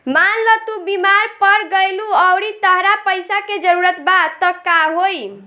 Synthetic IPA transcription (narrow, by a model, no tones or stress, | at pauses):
manlət̪ubimaɾpəɾɡəjluəwɽit̪əɦɾapəjsaked͡ʒəɾuɾət̪bad̪t̪ɔkaɦoj